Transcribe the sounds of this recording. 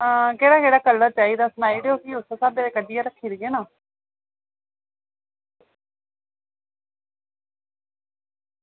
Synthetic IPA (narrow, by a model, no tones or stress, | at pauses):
keːɽaːkeːɽaːkəlːət͡ʃaːiːd̪aːsnaːiːɽeːoːkiːʊsasaːbeːd̪eːkəd̪iːaɾəkʰːiːɾid͡ʒeːnaː